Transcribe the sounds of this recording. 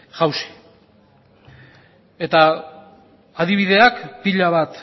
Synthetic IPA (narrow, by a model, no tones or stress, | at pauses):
ʝawsi̥ | e̞t̪a | ðiβ̞iðe̞akpiʎaβat̪